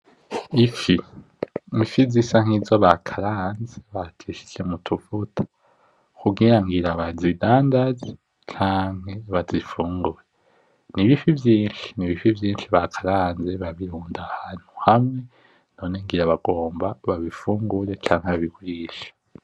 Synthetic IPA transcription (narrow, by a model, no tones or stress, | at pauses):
ifi | ifizisaŋ̥hizoβakʰaɾaːnze̞βatʰiʃi̥semutʰufutʰḁ | kuɡiɾaŋɡiɾaβazidaːndaze | t͡ʃʰaːŋ̥heβazifuːŋɡuɾe | niβifivjiːnʃi̥niβifivjiːnʃiβakʰaɾaːnze̞βaβiɾuːndahaːn̥hu̥hamŋe̞ | no̞ːneŋɡiɾaβaɡo̞ːmbaβaβifuːŋɡuɾet͡ʃaːŋ̥heβaβiɡuɾiːʃḁ